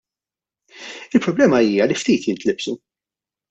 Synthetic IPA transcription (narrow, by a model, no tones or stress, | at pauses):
ɪlpɾɔblɛːmɐiːjɐlift̪iːt̪jɪnt̪lɪbsu